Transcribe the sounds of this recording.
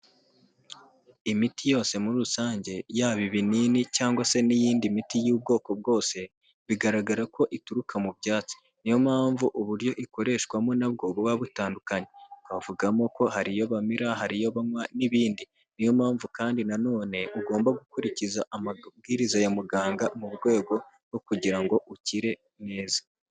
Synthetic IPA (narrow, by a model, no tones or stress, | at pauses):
imitijo̞ːse̞muɾuɾusaːɲɟe̞jaːβiβiniːnicaːŋɡwase̞nijiːndimitijuːb̚ɡo̞ːko̞b̚ɡo̞ːse̞ | βiɡaɾaɡaɾako̞ʔituɾukʰamubɟaːt͡si̥ | nijo̞mhaːɱvuʔuβuɾjo̞ʔiko̞ɾe̞ːʃɡwamo̞nabɡo̞ːβoβaβutaːndukaɲe̞kavuɡamo̞ko̞haɾijo̞βamiɾaɦaɾijo̞βamwaniβiːndi | nijo̞maːɱvukaːndinano̞ːne̞ʔuɡo̞ːmbaɡukuɾicizaʔamaɡiːɾizajamuɡaːŋɡamuβɡwe̞ːɡo̞ | ɡokuɟiɾaŋɡo̞ʔuciɾe̞ | ne̞ːzḁ